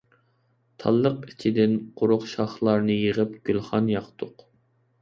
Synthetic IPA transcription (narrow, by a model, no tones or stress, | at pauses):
t̪ʰɑ̰lˠːəqit͡ʃʰɪd̪ɪnqʰʊɾʊχʃɑχlˠɑɾnɨjeʁəp̚ɡ̥ʲylˠχɑnjɑqt̪ʰʊq